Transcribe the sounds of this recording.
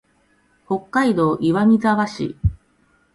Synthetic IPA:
ho̞kːaid̪o̞ːʔiβamʲizaβaɕḭ

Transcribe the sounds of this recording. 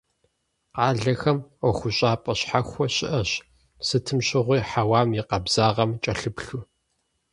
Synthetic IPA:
qɑːɮɐxɐmʷɔxʷʊɕʼaːpʼɐɕħaxʷɔɕɪʔɐɕ | sɨtʰɨmɕʼɪʁʷiːħawaːmjɪqɐbz̥aːʁɐmt͡ʃʼɐɬɨpɬu

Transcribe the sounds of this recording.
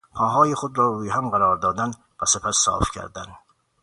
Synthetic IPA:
pʰɒːɦɒːjeχod̪ɾɒːɾuːjeɦæmɢæɾɒːɾd̪ɒːd̪æn | bæsepʰæsːɒ̰ːfcʲʰæ̰ɾd̪æn

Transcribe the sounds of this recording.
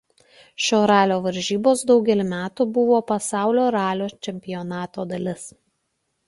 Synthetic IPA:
ʃʲoːɾɑːlʲoːʋɐɾʲʒʲiːboːsd̪ɒʊɡʲɛlʲɪmʲæːt̪ubʊʋoːpɐsɑˑʊlʲoːɾɑːlʲoːt͡ʃʲɛmʲpʲɪjɔnɑːt̪oːd̪ɐlʲɪs

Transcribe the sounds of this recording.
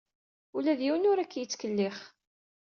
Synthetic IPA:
ulæðjiwənʊɾækːjət͡sːkəlːɪχ

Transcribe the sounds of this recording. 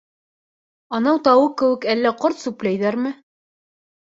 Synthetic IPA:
ɑnɑwt̪ɑwɤkɘ̆wɘ̆kælːæqoɾt̪sʉplæjðæɾmɘ

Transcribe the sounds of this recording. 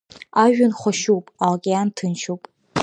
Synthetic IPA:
aːʒʷᶣʊnχʷɔʃuwpʼalɡʲʼejantʰɨnʃuwpʼ

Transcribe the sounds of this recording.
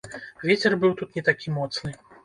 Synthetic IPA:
vʲet͡sʲɛrbɨwt̪ut̪nʲɛt̪akʲimɔt̪snɨ

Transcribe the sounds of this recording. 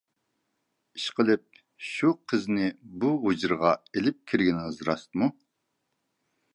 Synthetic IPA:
iʃqəlˠɨp̚ | ʃuqʰəznɪbuɦod͡ʒɨɾʁɑelɪp̚kʲʰiɾɡʲinɨzɨɾɑ̰st̪mu

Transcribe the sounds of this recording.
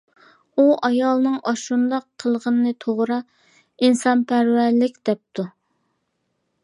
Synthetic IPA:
uʔɑjɑlˠnɨŋɑʃund̪ɑqʰːəlˠʁənɨnɨt̪ʰoʁɾɑ | insɑnpʰæɾwæɾlɪkʲd̪̥ɛp̚t̪ʰu

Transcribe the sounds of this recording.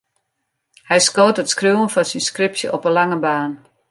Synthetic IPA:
hɛjskoːtətskruwənfɔnsinskrɪpsjə̰ʔɔpənlaŋəbaːn

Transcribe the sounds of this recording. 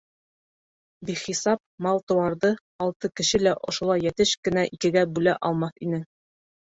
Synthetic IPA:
biχisɑp̚mɑlˠt̪ŏwɑɾd̪ɤ | ɒlˠt̪ɤkɘ̆ʃɘlæʔŏʃŭlˠɑjːæt̪ɘʃkɘ̆næʔikɘ̆ɡæbʉlæʔɒlˠmɑθinɘ

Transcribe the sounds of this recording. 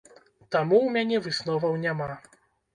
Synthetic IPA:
t̪amuwmʲanʲɛvɨsnɔvɐwnʲama

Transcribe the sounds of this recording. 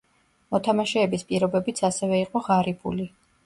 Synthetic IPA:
mɔt̪ʰamaʃɛːbispʼiɾɔbɛbit̪sʰasɛvɛiqʼɔʁaɾibʰṵli

